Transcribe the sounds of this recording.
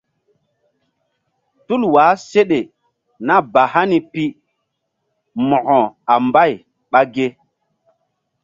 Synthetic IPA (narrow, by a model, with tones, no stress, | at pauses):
tu˦lwaː˨˦se˦ɗe˨ | na˦ba˨ha˦ni˨pi˦ | mɔ˨ʔɔ˨a˨mba˦˨j | ɓa˦ɡe˦